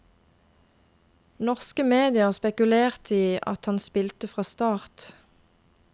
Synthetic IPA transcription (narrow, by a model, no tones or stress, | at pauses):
nɔʁskəmeːd̪ɪəʁspɛkʉleːʁt̪ʰiːɑ̰t̪hɑnspɪlt̪əfʁɑːst̪ɑːʁt̪